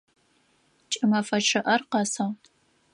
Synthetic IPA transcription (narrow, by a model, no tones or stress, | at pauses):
t͡ʃʼɪmɐfɐʈ͡ʂʰɨʔɐrqɐsɐʁ